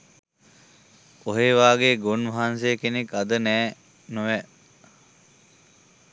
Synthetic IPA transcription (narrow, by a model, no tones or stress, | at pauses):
oɦeːʋaːɡeɡonʋaɦansejəkenekad̪ənæː | nuʋɛ